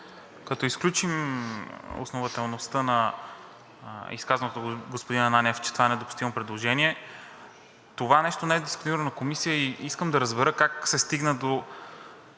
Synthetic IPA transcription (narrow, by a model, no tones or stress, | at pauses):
kɐt̪ɔisklʲut͡ʃim | o̰snovɐt̪ɛlˠnost̪ənɐ | ḭskazɐnot̪oɡospod̪inɐnanʲɛft͡ʃɛ̥t̪ovanɛd̪opu̥st̪ivəmpɾɛd̪lˠoʒɛniɛ | t̪ovanɛʃt̪onɛɛd̪isponiɾənonɐkomisijəiiskəmd̪ɐɾəzbɛɾɤkaksɛst̪iɡnəd̪o